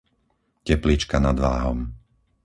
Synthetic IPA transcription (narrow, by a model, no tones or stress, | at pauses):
cɛplit͡ʃkanad̪ʋaːɦɔm